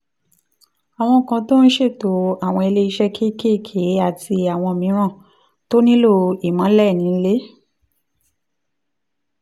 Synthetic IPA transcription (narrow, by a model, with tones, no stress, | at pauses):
a˨w̃ɔ̃˧˨kã˧to˦n̩˦ʃe˦˨to˨˦a˨w̃ɔ̃˧e˧le˧i˧ʃɛ˦kʰe˦˨ke˦˨kʰe˨˦a˦˨ti˧a˨w̃ɔ̃˧mĩ˨˦ɾ̃ã˦˨ | to˦nĩ˦lo˦˨i˨mã˨˦lɛ˦˨nĩ˨˦le˦